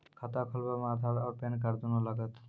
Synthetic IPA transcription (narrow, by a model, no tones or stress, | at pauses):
kʰat̪akʰɔlbaɾmat̪ʰaɾaɾpɛnk̬aɾd̪onːolaɡət̪